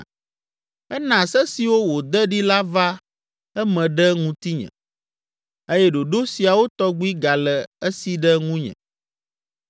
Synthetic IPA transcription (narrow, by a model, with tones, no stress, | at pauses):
ɛ˦nã˨sɛ˦si˨wo˦wo˨d̪ɛ˦ɖi˦la˦va˦ | ɛ˦mɛ̃˨ɖɛ˦ŋũ˦t̪i˦ɲɛ̰̃˨ | e˦jɛ˦ɖo˨ɖo˦si˨a˨wo˦t̪ɔ˦ɡ͡bi˦ɡa˨lɛ˨ə˦si˨ɖɛ˦ŋũ˦ɲɛ̰̃˨